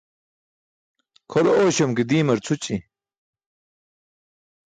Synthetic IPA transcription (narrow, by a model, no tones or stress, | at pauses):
kʰolooːɕomkid̪iːmɐɾt͡sʰut͡ɕi